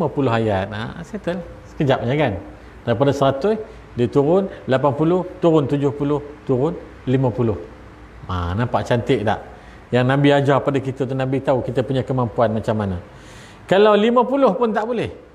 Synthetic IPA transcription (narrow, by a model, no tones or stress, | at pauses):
mapulʊɦajat̪̚a̰sat̪əlahsə̥kəd͡ʒap̚ɲaɡan | d̥aɣipadasəɾat̪ʊ | dit̪uɾʊnlapanpulʊht̪uɾʊnt̪ud͡ʒʊhpulʊht̪uɾʊn | limãpulʊh | a̰nampaʔt͡ʃant̪ɪʔda̰ʔ | jaŋnabiad͡ʒahpadakit̪ət̪unãbit̪aukit̪əpuɲakəmampuanmat͡ʃamːana | kalawlimãpulʊhpʊnt̪aʔbulɛh